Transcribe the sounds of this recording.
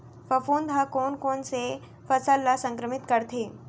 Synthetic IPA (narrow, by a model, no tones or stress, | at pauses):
fəfuːnd̪ʱakoːnkoːnse | fɐsəlːasə̃ŋkɾəmɪt̪kəɾt̪ʰeː